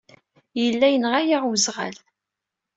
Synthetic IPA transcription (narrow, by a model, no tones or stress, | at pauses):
jəlːæjənʁajaʁwəzʁa̰l